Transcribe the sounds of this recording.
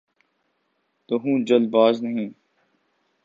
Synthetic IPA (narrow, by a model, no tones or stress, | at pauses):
t̪oɦũːd͡ʒəlbaːznɐɦĩː